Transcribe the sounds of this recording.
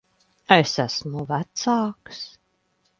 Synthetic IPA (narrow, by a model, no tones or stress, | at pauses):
esæsmuvæt̪saːks